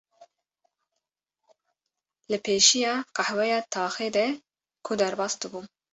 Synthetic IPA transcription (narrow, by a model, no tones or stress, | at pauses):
lɨpʰeːʃijɑːqɑhwɛjɑːt̪ʰɑːxeːd̪ɛ | kʰʊd̪ɛɾbɑːsd̪ɨbuː